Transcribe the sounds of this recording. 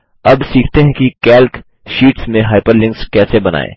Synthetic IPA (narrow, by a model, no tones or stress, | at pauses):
ɐbsiːkʰt̪eɦɛ̃kikɛːlk | ʃiːʈsmẽɦaːɪpəɾlɪ̃ŋkskɛːsebɐna̰ːḛː